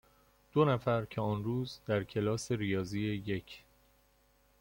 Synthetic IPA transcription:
d̪̥onæfæɾcʰeɒːnɾuːzd̪æɾcʰe̞lɒːse̞ɾijɒːziːeje̞cʰ

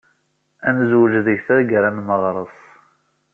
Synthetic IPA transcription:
ænzwd͡ʒðəʝθæɾɡɾænnəʁɾˤəsˤ

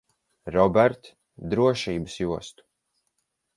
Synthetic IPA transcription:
ɾɔbɛɾt̪ | d̪ɾuɔʃiːbəsjuɔst̪u̥

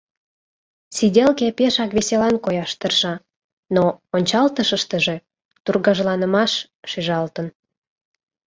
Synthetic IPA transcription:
sidʲelkepeʃɑkβeselɑnkojɑʃt̪ərʃɑ | noonʲt͡ɕɑlt̪əʃəʃt̪əʒe̽ | t̪urɣɑʒlɑnəmɑʃ | ʃyʒɑlt̪ən

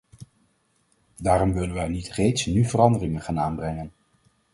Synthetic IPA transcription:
daːɾɔmʋɪlənʋɛjnitrejtsnyvərɑndərɪŋənχaːnaːnbrɛŋən

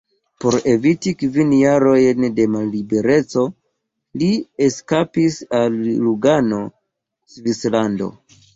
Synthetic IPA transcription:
po̞ɾe̞vitikvinjaɾo̞jnde̞malːibe̞ɾe̞t͡so̞ | lieskapisalluɡano̞ | svislando̞̰

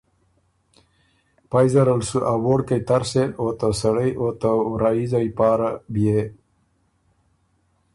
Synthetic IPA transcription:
pajzɐɾalsuʔawoːɽkajt̪aɾseot̪asɐɽəjʔot̪aɾaizajpɑːɾabije

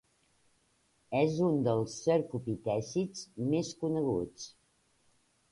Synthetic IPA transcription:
ɛzund̪əlˠsːəɾkupit̪ɛsit͡smeskunəɣ̞ut͡s

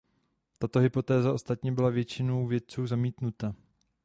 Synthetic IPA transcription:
t̪at̪o̞ɦɪpo̞t̪ɛːzaʔo̞st̪at̪ɲɛbɪlavjɛt͡ʃɪnowvjɛt̪̚t͡suːzamiːt̪nut̪a

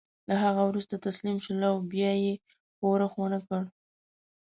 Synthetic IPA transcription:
laɦaɣawɾust̪at̪aslimʃalawbjɑje | powɾaxwonakəɽ

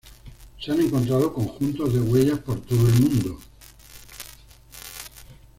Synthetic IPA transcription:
seane̞ŋko̞nt̪ɾað̞o̞ko̞ŋxunt̪o̞zðe̞ɣwe̞ʝaspo̞ɾt̪o̞ðoe̞lmũnd̪o

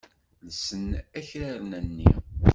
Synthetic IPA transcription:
lsənæçɾaɾnænːḭ

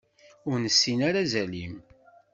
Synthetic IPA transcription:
ʊɾnəsːinaɾazælim

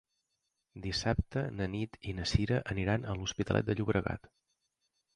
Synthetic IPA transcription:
d̪isap̚t̪ənənit̪inəsiɾəʔəniɾanəluspit̪əlˠʔɛ̰t̪̚d̪əʎuβɾəɣa̰t̪

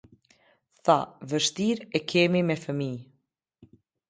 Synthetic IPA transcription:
θavəʃt̪iɾɛkʰɛmimɛfəmi

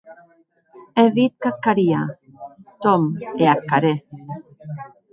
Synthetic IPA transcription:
eðit̪̚kakːaɾia | t̪omeakːaɾe

